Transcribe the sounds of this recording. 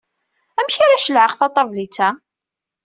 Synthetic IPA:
æmçaɾaʃəlʕəqθɑt̪ˤɑvlit͡sːæ

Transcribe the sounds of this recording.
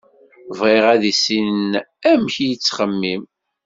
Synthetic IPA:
vʁeʁæðisinnæmçjət͡sːχəmːim

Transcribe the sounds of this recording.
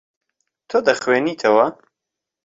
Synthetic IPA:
t̪ʰoːd̪ɐχweːniːt̪ʰɐwɐ

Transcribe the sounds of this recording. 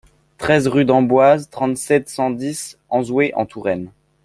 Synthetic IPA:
t̪χɛzʁyd̪ɑ̃bwazt̪χɑ̃t̪sɛt̪sɑ̃d̪isɑ̃zweʔɑ̰̃t̪ʰuʁɛn

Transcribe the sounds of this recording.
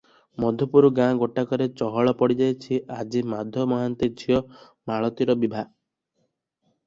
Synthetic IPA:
mɔd̪ʱjɔpuɾuɡãɡoʈakɔɾet͡ʃɔɦɔɭɔpɔɽid͡ʒajt͡ʃʰiʔad͡ʒimad̪ʱjɔmɔɦant̪id͡ʒʰiɔ | maɭɔt̪iɾɔbibʱa

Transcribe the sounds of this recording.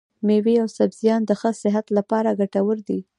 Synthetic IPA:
meweawsabz̥ijɑnd̪əxəsɪɦat̪lapɑɾaɡaʈawəɾd̪i

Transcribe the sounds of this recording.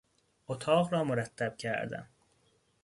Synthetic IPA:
ʔot̪ʰɒːʁɾɒːmoɾæt̪ʰːæb̥̚cʰæ̰ɾd̪æ̰n

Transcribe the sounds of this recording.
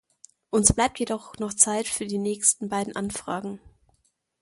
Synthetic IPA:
ʔʊnsb̥laɪp̚tjedɔχnɔχt͡saɪtfyːɐdiːnɛːçstn̩baɪdn̩ʔanfʁ̥aːɡŋ̩

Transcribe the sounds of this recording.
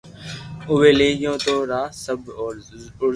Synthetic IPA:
ʊʋeːleːjõːt̪oːɾaːsəb | ʊ

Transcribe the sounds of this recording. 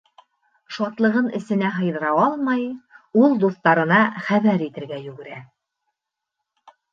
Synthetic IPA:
ʃɑt̪lˠɤ̆ʁɤnɘ̆sɘ̆næɦɤ̆jðɤ̆ɾɑɑlˠmɑjulˠd̪uθt̪ɑɾɤ̆nɑχæβæɾit̪ɘ̆ɾɡæjʉɡɘ̆ɾæ

